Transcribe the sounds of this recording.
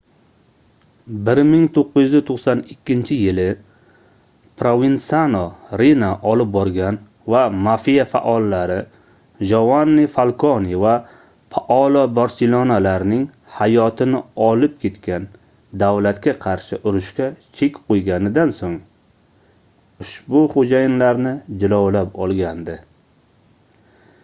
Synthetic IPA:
bɪɾmɪŋt̪ʰoqːɨjyzɪt̪ʰoqsanɪkʲːɪnt͡ʃʰɪjɪlɪ | pʰɾovint̪sanoɾinaʔɒlɪp̚bɒɾɡʲan | vamafijafa̰ʔɒlːaɾɪ | d͡ʒovanːifalˠkʰoniva | fʰaʔɒlɒbaɾselonalaɾnɪŋ | hajɒt̪ʰɪnɪɒlɪp̚kʲʰe̞t̪kʲan | d̪awlat̪kʲaqʰɑɾʃɪʔʊɾʊʃkʲat͡ʃʰekʲqojɡʲanɪd̪ansoŋ | ʊʃbʊχod͡ʒajɪnlaɾnɪd͡ʒɪlawlapɒlˠɡʲand̪ɪ

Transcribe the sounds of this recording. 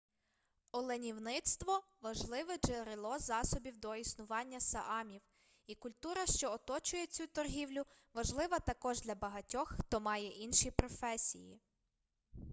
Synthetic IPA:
ɔlˠenʲiwnɪt̪st̪ʋɔ | ʋɐʒlˠɪʋɛd͡ʒeɾelˠɔzɑsɔbʲiwd̪ɔisnʊʋɑnʲːɐsɐʔɑmʲiw | ikʊlʲt̪uɾɐʃt͡ʃɔɔt̪ɔt͡ʃʊjɛt͡sʲut̪ɔrɦʲiwlʲʊʋɐʒlˠɪʋɐt̪ɐkɔʒd̪lʲɐbɐɦɐtʲɔxxt̪ɔmɑjɛʔinʃipɾɔfɛsʲḭjḭ

